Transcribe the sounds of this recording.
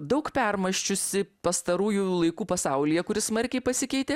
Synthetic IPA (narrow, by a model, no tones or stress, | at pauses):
d̪ɐʊkpʲɛrmɐʃʲt͡ʃʲʊsʲɪpɐst̪ɐɾuːjulˠɐɪkuːpɐsɐʊlʲɪjɛkʊɾʲɪsmɐɾʲkʲɛɪpɐsʲɪkʲɛɪt̪ʲe